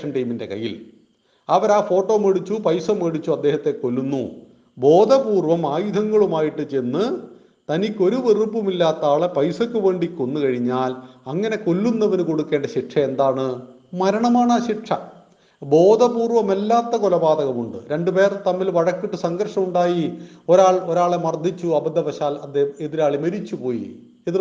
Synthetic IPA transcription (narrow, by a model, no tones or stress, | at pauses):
ʂɐɳʈɐjminde̞̰kɐ̰jːḭl | ɐʋɐɾaːfo̞ːʈːo̞ːmeɽit͡ɕːupɐjsɐmeɽit͡ɕːuɐd̪ːe̞ːhɐt̪ːe̞kolːunːṵ | bo̞ːd̪ʱɐpuːrʋɐmaːjud̪ʱɐŋːɐɭumaːjiʈːɨt͡ɕe̞nːɨ | t̪ɐnikʲːo̞ɾuʋerupːumilːaːt̪ːaːɭɐpɐjsɐkʲːɨʋe̞ːɳɖikʲːo̞nːukɐɻiɲːaːlɐŋːɐne̞ko̞lːunːɐʋɐnko̞ɽukːe̞ːɳɖɐɕiʈʂʰɐe̞nd̪aːɳɨ | mɐɾɐɳɐmaːɳaːɕiʈʂɐ | bo̞ːd̪ʱɐbuːrʋɐmelːaːt̪ːɐkolɐbaːd̪ɐɣɐmuɳɖɨ̰ɾe̞ɳɖɨpe̞ːrɐt̪ɐmːilʋɐɻɐkːiʈːɨsɐŋɡɐɾʂɐmuɳɖaːjioɾaːɭo̞ɾaːɭemɐrd̪ʱit͡ɕːuɐbɐd̪ʱːɐʋɐɕaːlɐd̪ːeeðiɾaːɭimɐɾit͡ɕːupo̞ːjḭ | eði